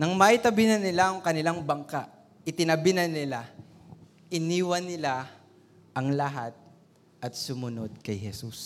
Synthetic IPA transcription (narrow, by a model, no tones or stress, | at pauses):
nɐŋmaʔɪt̪ɐbɪnɐnɪlaɐŋkɐnɪlaŋbɐŋkaʔ | ʔɪt̪ɪnɐbɪnɐnɪla | ʔɪniːwɐnɪla | ʔɐŋlɐɦat̪̚ | ʔɐt̪̚sʊmʊno̞d̪̚kɐjhɛsus